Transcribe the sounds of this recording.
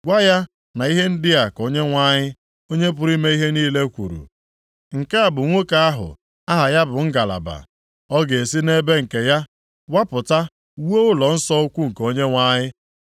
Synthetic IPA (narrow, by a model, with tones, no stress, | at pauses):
ɡʷa˦ja˦ | na˨i˦ɦe˦n̩˦dɪ˦a˨ko˦ɲe˦ŋʷa˦ɲɪ˦ | o˦ɲe˦p̬ʊ˦ɾi˦me˦i˦ɦe˦niː˦le˦kʷṵ˨ɾṵ˨ | ŋ̩˨ke˦a˨bʊ˨ŋʷo˦ka˦a˦ɦʊ̰˨ | a˦ɦa˨ja˦bʊ˨ŋ̩˦ɡa˨la̰˨ba̰˨ | ɔ˦ɡe˨e˨si˦ne˦be˦ŋ̩˨ke˨ja˦ | wa˦pʊ˨ta˦ | wo˦ʊ˦lɔ˨n̩˦sɔ˦kʷu˦ŋ̩˨ko˦ɲe˦ŋʷa˦ɲɪ˦